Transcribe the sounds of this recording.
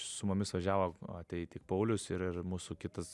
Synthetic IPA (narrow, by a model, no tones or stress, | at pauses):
sʊmʊmʲɪsʋɐʒʲæːʋoɐtʲɛɪtʲɪk̚pɐʊlʲʊsɪɾɪrmuːsuːkʲɪt̪ɐs